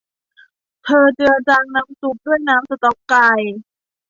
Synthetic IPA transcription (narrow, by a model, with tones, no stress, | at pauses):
t̪ʰɤː˧t͡ɕɯ˧ɐt͡ɕaː˧ŋna˦˥msu˨˦˩p̚du˥˩əjnaː˦˥msa˧˩t̪ɔ˦˥pkaː˧j